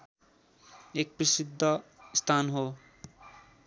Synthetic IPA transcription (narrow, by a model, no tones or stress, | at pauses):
ek̚prisid̪ʱːʌst̪ʰanɦo